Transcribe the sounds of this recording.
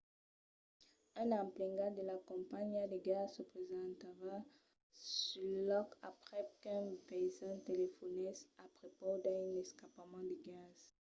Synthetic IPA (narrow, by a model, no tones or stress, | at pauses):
ɛ̃nɑ̃mplɛ̃ŋɡad̪əlakɔ̃paɲad̪əɡazsəpχezɑ̃t̪aʁa | sylɔkapʁɛkɛ̃pɛzɛ̃t̪elefɔnɛsapʁopod̪ɛ̃nɛskapamɑ̃d̪əɡaz̥